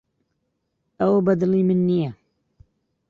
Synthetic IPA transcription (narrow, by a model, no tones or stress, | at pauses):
ʔawbad̪liːmɪnːija